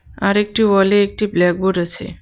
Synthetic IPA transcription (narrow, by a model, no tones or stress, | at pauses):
aɾek̚ʈiʋɔleek̚ʈiblɛk̚buɖət͡ʃʰḛ